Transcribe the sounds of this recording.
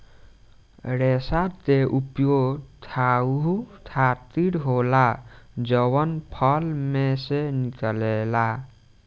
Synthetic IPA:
ɾesat̪eʔupjot̪ʰaɦut̪ʰat̪iɽɦolad͡ʒəβənpʰəlmesenikəlela

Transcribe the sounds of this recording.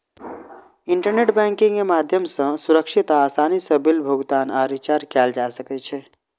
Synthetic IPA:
iɳʈəɾneʈbɛ̃ŋkĩŋemad̪ʱjəmsə̃suɾəkʃit̪aːsaːnisəbilbʱuɡt̪aːnaɾit͡ʃaɾkɛld͡ʒasəkɛt͡ʃʰɛ

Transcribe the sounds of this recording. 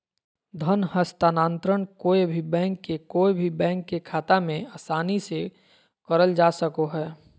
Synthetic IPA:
d̪ʱənhəst̪aːnaːnt̪ɾəɳ̃koːebʱibɛ̃ːŋkːekoːebʱibɛ̃ːŋkːekʰaːt̪amẽaːsaːnise | kəɾəld͡ʒaːsəkoɦɛː

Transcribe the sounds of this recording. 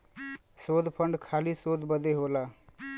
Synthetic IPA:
sod̪ʱpʰəɳɖkʰalisod̪ʱbəd̪eɦola

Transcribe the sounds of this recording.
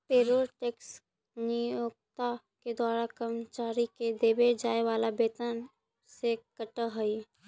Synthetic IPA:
peːɾoːɾʈeːks | nijoːk̚t̪a | ked̪waːɾakəmt͡ʃaːɾiked̪eːbed͡ʒaːeʋaːlabeːt̪ən | sekəʈəɦəi

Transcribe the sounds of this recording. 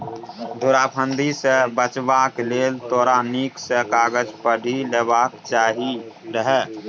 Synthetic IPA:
d̪ʱoɾaːpʰə̃nd̪isebət͡ʃbaːkleːlt̪oːɾaniksekaːɡəd͡ʒpəɽʱileːbaːkt͡ʃaːɦiɾəɦɛː

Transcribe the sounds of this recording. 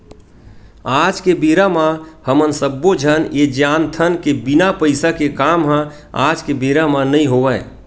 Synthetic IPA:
ad͡ʒkebeɾamahəmənsəbːod͡ʒʱəned͡ʒant̪ʰənkebinapəɪsakekamɦə̃ | a̰d͡ʒkebeɾamanəiɦoʋə

